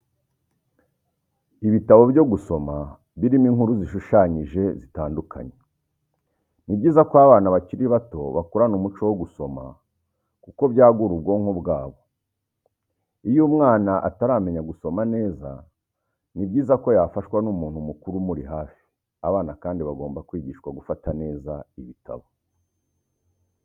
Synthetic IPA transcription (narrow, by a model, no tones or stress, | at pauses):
iβitaβo̞bjo̞ɡuso̞ma | βiɾimiŋhuɾuziʃuʃaɲiʒe̞zitaːndukʰa̰ɲe | nibɟiːzakwaβaːnaβaciɾiβato̞̰βakuɾanumut͡ʃo̞woɡuso̞ma̰ | kuko̞βjaːɡuɾub̚ɡo̞ːŋhobɡaːβo̞ | ijumŋaːnaʔataɾaːme̞ɲaɡuso̞mane̞ːza̰ | nibɟiːzako̞jafaʃwanumuːnhumukuɾumuɾiɦaːfi̥ | aβaːnakaːndiβaɡo̞ːmbakwiːɟiːʃkwaɡufatane̞ːzaiβitʰa̰βo